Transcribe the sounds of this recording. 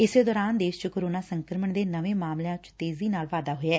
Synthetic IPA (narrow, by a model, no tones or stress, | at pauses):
ɪseːd̪ɔːɾaːnd̪eːʃt͡ʃkoːɾoːnaːsəŋkəɾməɳd̪eːnəʋẽːmaːmljãt͡ʃt̪eːziːnaːlʋaːd̪aːɦoɛː